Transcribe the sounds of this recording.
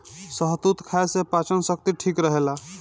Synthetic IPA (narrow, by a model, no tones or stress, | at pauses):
səɦt̪ut̪kʰaesepat͡ʃənsək̚t̪iʈʰikɾəɦela